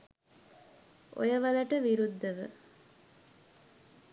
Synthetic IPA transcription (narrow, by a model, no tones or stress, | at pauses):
ʔo̰jəʋɐlɐʈəʋiɾud̪ːəʋə̰